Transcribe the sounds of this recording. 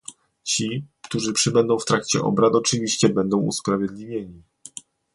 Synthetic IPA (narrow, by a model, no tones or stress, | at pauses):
t͡ɕikt̪uʐɘpʂɘbɛnd̪ɔ̃w̃ft̪ɾakt͡ɕɛ̰ʔɔ̰bɾat̪ɔt͡ʂɘvʲiɕt͡ɕɛbɛnd̪ɔ̃w̃ṵspɾavʲjɛd̪lʲivʲjeɲi